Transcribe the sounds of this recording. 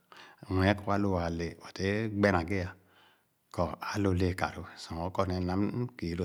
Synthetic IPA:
wʷɛ˨˦kɔ˦wa˦lo˧wa˨le˨o˨te˨˦ɡ͡bɛ˦na˨ɡe˦ja˨ | kɔ˨a˨˦lo˧˨le˨ka̰˨ɾo˨sɔ˨o˨˦kɔ˦ne˧˨na˨˦m˦ki˨lo˨

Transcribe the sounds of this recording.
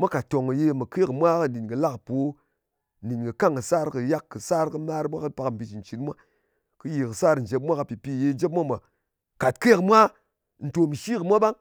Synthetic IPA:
mʷa˦ka˨to˨ŋɨ˨je˧mɨ˨ke˦kɨ˨mʷa˦kɨ˧n˨di˨nkɨ˨la˦kpo˨˦ | n̩˨di˨nkɨ˨ka˦ŋɨ˨sa˦ɾkɨ˧ja˦kːɨ˨sa˦ɾkɨ˦ma˦ɾmʷa˦kɨ˦pa˧km˨pi˧t͡ʃn̩˨t͡ʃi˨nmʷa˦ | kɨ˦ji˨kɨ˨sa˦ɾn̩˨d͡ʒe˨˧p̬̚mʷ˦a˦ka˧pi˨pi˧˨je˧˦d͡ʒe˦p̚mʷa˦ma˨ | ka˨t̚ke˦kɨ˨mʷa˦ | n̩˨to˨mi˨ʃi˦kɨ˨mʷa˦ɓa˦ŋ

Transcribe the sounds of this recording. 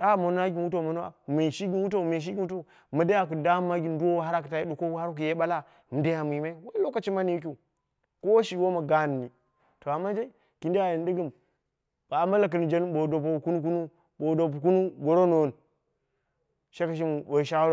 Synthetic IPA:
a˦˨mo˨n˦a˦ɡʲi˨n˦wu˦t̬o˦˨ma˨n˦a̰˦˨me˨ʃi˦ɡi˨nwu˦t̬o˦˨me˨ʃ̬i˦ɡʲi˦n˦u˦to˦˨ | ma˨da˦ja˨ku˨da˦mːa˦ɡʲi˨n˦du˦wo˦wha˦ɾa˨ku˨ta˨ji˦ɗu˨ko˦ha˦ɾk̬u˨je˦ɓa˦la˦ | mi˨da˦ja˨mi˨ma˦i˦wa˦lo˦ka˨t͡ʃi˦ma˦ni˦ju˦k̬ʲi˦˨ | ko˦wʃi˨wo˦ma˨ɡa˦n˨ni˨ | to˨a˨mːa˦d͡ʒe˦ | ki˨ndi˦ja˨ji˨n˦di˦ɡə˦˨m | ba˨˦ma˦la˨k̬ɨ˨ni˨d͡ʒe˦n˦ɓo˨do˨p̬o˨ku˦nu˦ku˦nu˦ | ɓo˨do˨p̬u˨ku˦nu˦ɡo˨ɾo˦no˨wn | ʃe˦ka˨ʃ̬i˦m˨ɓo˨ʃa˦ɾo˦

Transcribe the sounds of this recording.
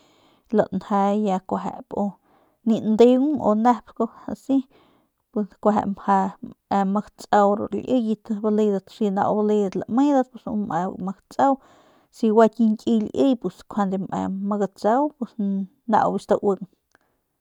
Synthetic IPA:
la˨ʔnha˧ja˧kʷaɦḛ˨po˧ | ni˧nd̪e˧wo̰˧nahpko˧hasi˦ | pweskʷa˧ɦa̰˨mhaa˧ma˧kt͡sʼa˧wɾo̰˨ɾḭʔɨ˦jit̪bale˧d̪at̪si˧na̰˧wba˧le˧d̪at̪la̰˨me˦d̪at̪pe˧sṵma̰ma˧kt͡sa˦w | si˧wa˧t̪ʲi˧ŋkʲʼilʔɨ˦jpeskʰʷa˧nd̪ema̰maɡa˧t͡sawpes | na̰˧wbist̪awɨ˧ŋ

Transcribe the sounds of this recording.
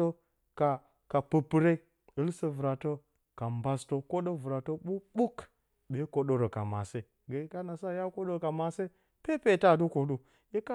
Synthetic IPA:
o˦ | ka˨ | ka˨pɨ˨pɨ˦ɾe˦i˦ | ɨ˦lsə˦vu˨ɾa˨to˦ | ka˨mba˦sto˦ko˦ɗo˦vɾa˨to˦ɓu˦ɓu˦k | be˨˦ko˨ɗo˨ɾo˨ka̰˨ma̰˨se˦ | ɡe˨˦ka˦na˨sa˦˨ja˦ko˦ɗo˦˨ka˨ma˨se˦ | pe˦pe˦˨ta˦˨du˦ko˨ɗu˦ | je˦ka˦

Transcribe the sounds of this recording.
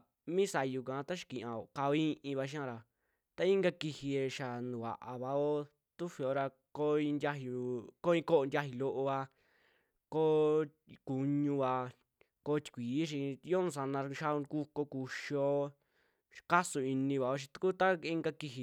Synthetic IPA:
mĩː˦sa˨˧ju˧kã˨˧˦t̪a˦ʃi̥˧kĩ˨ʔã˨o˨ka˧o˧ĩ˦ʔĩ˧βa˧ʃ̬i˦ã˧ɾa˨ | t̪a˦ĩ˦ŋɡa˦˧ki˧hi˧e˧ʃa˨nũ˨wa̰˨ʔa˨βa˨o˦ | t̪u˦ɸi˧o˧ɾa˧ | ko˦ĩ˧ndʲa˦ɦu˨˧ko˦ĩ˧ko˦ʔnd̪ʲa˦ɦi˧lo˦ʔo˧βa˧ | ko˦ | ku˧ɲũ˧βa˧ | ko˦t̪ʲi̥˧kʷiː˨˦ʃ̬ĩ˧jo˦nũ˧s̬a˧nã˧ʃa˦˧ku˦ko˧ku˧ʃo˧˦ | ka˦su˧i˧nĩ˧βa˨o˦ʃ̬ĩ̥˧t̪u̥˧ku˦t̪a˦i˦ŋɡa˧ki˧ɦi˧

